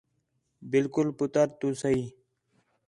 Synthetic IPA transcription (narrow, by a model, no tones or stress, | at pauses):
bɪlkʊlpʊt̪əɾt̪uːsəiː